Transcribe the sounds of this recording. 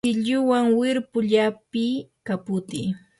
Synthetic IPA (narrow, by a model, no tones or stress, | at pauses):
ɪʎʊwaŋwɪɾpʊʎapɪkapʊt̪ɪ̰